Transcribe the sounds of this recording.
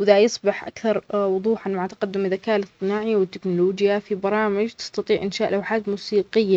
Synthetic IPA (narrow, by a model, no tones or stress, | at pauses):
wɪðajɑsˤbɪħʔa̰kθɑɾˤwʊðˤuːħanmaʕat̪ḁqɑd̪ːʊmɪðakaːʔlɪsˤt̪ˤɨnaːʕiwɪt̪ːɪknʊloːd͡ʒjafibɑɾˤɑːmɪd͡ʒt̪ɪ̥st̪ɑt̪ˤiːʕʔɪnʃaːʔlʔawħaːt̪muːsiːqɪjːa